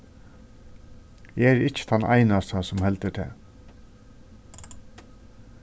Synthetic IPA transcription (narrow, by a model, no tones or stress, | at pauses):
ɛɾɪt͡ʃːə̥t̪ʰanʔa̰jnast̪asʊmhɛlt̪ət̪ʰɛ̰ː